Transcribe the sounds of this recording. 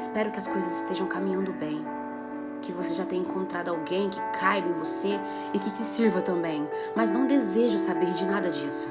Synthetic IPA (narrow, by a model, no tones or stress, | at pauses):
ɪspɛɾʊkɪɐskojzɐzɪst̪eʒɐ̃w̃kamĩɲɐ̃nd̪ʊbẽj̃ | kɪvoseʒat̪ẽj̃ẽŋkõnt̪ɾad̪ʊawɡẽj̃kɪ̥kʰajbɪẽj̃vose | ɪkɪt͡ʃɪsiɾvɐt̪ɐ̃bẽj̃ | mɐznɐ̃w̃d̪ezeʒʊsabeɾd͡ʒɪnad̪ɐd͡ʒisʊ̥